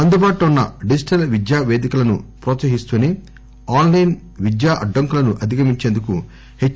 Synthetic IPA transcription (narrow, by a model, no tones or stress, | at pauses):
ɐnd̪ubaːʈuunːɐɖid͡ʒiʈɐlʋid̪jaːʋeːd̪ikulɐnṵpɾoːt̪sɐɦist̪uːne | aːnlɐjn | ʋid̪jaːʔɐɖːɐŋkulɐnuʔɐd̪ʱikɐmiɲt͡ʃeːnd̪uku | he